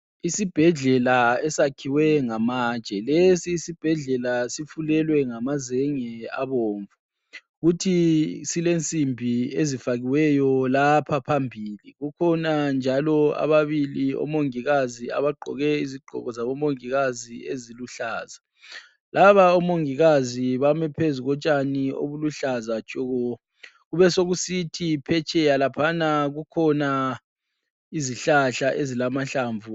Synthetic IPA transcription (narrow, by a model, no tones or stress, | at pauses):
isib̥ʱɛɮɛlaɛsakʰiwɛŋamaːt͡ʃʼɛlesiːsib̥ʱɛɮɛlasifulɛlwɛŋamazɛŋɛa̰βoːɱvu | ɣutʰisilent͡sʼimbʱiezifaɣiwɛjɔlapʰapʰambʱiliɣukʰɔnand͡ʒʱalɔa̰βaβiliɔ̰moŋiɣazia̰βaɡ͡ǃʱɔ̰ɣɛiziɡ͡ǃʱɔ̰ɣɔzaβɔmoŋiɣazieziluɬaːza | lʔaβaɔmoŋiɣaziβamɛpʰezuɣɔt͡ʃʼanio̰βuluɬazat͡ʃʼɔɣɔ | ɣuβɛsoɣusitʰipʰɛt͡ʃʰʼɛjalapʰanaɣukʰɔna | iziɬaɬaʔezilamaɬaːɱvu